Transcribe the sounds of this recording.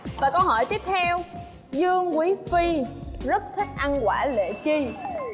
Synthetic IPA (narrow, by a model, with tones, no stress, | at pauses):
vaː˨˩kə˧whɔ˧˩jt̪i˦˥əp̚t̪ʰɛ˧w | zɨ˧əŋkwi˨˦fi˧zə˦˥t̚t̪ʰï˦˥k̟̚ʔa˧nkwaː˧˩lḛ˧˨t͡ɕi˧